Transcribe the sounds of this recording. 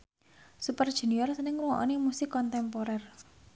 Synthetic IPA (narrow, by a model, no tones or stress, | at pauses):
supərd̥ʒ̥ṳnijɔrsənɪŋruwɔ̰ʔɔ̰nemusɪkːɔnt̪ɛmpoɾɛr